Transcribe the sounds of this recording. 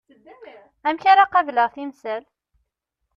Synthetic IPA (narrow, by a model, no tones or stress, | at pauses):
æmçaɾaqɑvləʁθimsæl